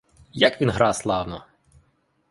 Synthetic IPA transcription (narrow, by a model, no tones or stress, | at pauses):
jakʋʲinɦɾɑslˠɑwnɔ